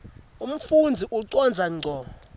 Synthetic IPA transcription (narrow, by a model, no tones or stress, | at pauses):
um̩fund͡zʱiʔuǀɔnd͡zʱaŋ͡ǀʱɔːmɔ